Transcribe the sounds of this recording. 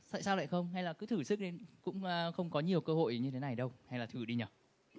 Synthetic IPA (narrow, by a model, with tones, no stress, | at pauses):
t̪a̰ː˧˨jsaː˧wla̰ː˧˨xə˧wŋ͡mha˧jlaː˨˩kɨ˨˦t̪ʰɨ˧˩sɨ˦˥k̚ɗe˨˦kʊ̰˧˥ŋ͡mxə˧wŋ͡mkɔ˨˦ɲi˨˩əwkəː˧ho̰˧˨jɲɨ˧t̪ʰe˨˦na˨˩jɗə˧wha˧jlaː˨˩ɨ˧˩ɗi˧ɲəː˨˩